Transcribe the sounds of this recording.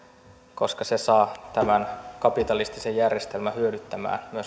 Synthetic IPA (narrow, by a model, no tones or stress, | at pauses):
ko̞skɑsesɑːt̪æmænkɑpit̪ɑlist̪isejjærjest̪elmæhyødyt̪ːæmæ̰ːnmyøs